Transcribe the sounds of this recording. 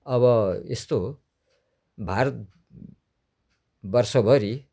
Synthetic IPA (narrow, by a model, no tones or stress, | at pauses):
ʌβʌḛst̪o | bʱaɾʌt̪̚ | bʌrsʌbʱʌɾi